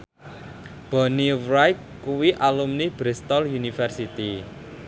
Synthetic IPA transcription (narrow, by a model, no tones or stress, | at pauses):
b̥ɔ̤niwɾajk̪̚ | kuwiʔalumnib̥ɾist̪ɔljunifɛrsit̪i